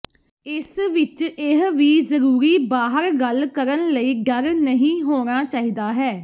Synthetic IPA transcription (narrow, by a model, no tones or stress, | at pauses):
ɪsʋɪt͡ʃɪɦʋiːzəɾuːɾiːbaːɦəɾɡəlkəɾənləiːɖəɾnəɦĩːɦoːñaːt͡ʃaːɦiːd̪aːɦɛː